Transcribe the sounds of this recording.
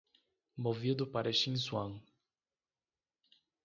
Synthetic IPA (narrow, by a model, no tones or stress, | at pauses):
movid̪ʊpaɾɐʃĩnswɐ̃ŋ